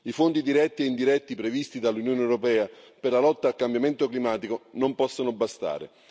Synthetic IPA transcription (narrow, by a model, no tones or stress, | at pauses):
ifont̪id̪iɾɛt̪ːieind̪iɾɛt̪ːipɾevist̪id̪alːunjoːneɛwɾopɛːaperlalɔt̪ːaːlkambjament̪oklimaːt̪ikonompɔsːonobːast̪a̰ːɾɪ̰